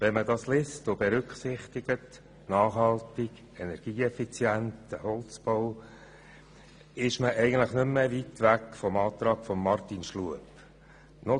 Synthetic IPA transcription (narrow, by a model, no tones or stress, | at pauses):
vɛnmədɑːslɪstʊbeɾʏkχsɪχt̪iɡ̥ət | nɑːχhɑltɪɡ | ɛnɛɾɡ̥iːɛfit͡sjæntəhɔlt͡sb̥ow | ɪʃməʔɛɪɡən̩t̪ləχnʏmːəʋitʋækfɔmɑːt̪ɾɑːkfɔmːɑɾtinʃluəp | no